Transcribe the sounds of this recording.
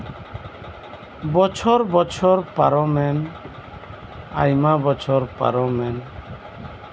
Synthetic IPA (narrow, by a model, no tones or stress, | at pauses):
bɔt͡ʃʰɔɾbɔt͡ʃʰɔɾpaɾɔmɛn | a̰jmabɔt͡ʃʰɔɾpa̰ɾɔmɛn